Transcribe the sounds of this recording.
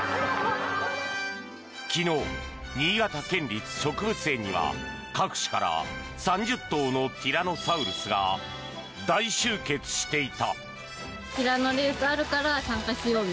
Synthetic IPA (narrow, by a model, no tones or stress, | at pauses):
kʲino̞ː | ɲ̟iːɡat̪akẽ̞nɾʲit͡sɨ̥ɕo̞kɯ̟bɯ̟se̞ːɲ̟iβa̰ | kakɯ̟̥ɕi̥kaɾa̰ | sãɲ̟d͡ʑɨt̪ːo̞ːno̞pʲiɾano̞saɯ̟ɾɯsɨɡa̰ | d̪aiɕɨːke̞t͡sɨ̥ɕi̥t̪e̞it̪a̰ | pʲiɾano̞ɾe̞ːsɨaɾɯ̟kaɾasãŋkaɕijoː